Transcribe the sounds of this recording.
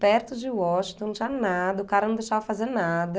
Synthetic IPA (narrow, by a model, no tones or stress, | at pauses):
pɛɾt̪ʊd͡ʒɪwɔʃt̪õnt͡ʃanad̪ɐʊkaɾɐnɐ̃d̪ejʃavɐfazenad̪ɐ